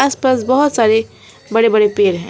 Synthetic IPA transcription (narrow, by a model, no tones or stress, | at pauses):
aːspaːsbəɦʊt̪saːɾe | bɐɽebɐɽepeːɾɦɛ̃